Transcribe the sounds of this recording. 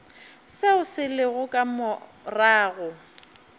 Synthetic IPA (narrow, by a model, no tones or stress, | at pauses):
seʊsɪlɪɣʊkʼamʊ | raːɣʊ